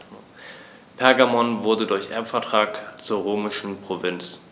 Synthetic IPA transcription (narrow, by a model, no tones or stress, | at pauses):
pʰɛɐɡamɔnvʊɐdədʊɐçʔɛɐfɛɐtʁ̥aːkt͡suːɐʁoːmɪʃn̩pʁ̥ovɪnt͡s